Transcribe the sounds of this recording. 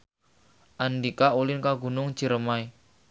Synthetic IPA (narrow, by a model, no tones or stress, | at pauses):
ʔandikaʔulɪnkaɡṳnʊŋd͡ʒ̥i̤ɾəmai